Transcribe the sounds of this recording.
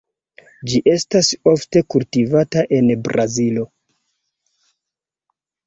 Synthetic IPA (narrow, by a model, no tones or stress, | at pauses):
d͡ʒiʔe̞staso̞fte̞kultivataʔe̞nbɾazilo̞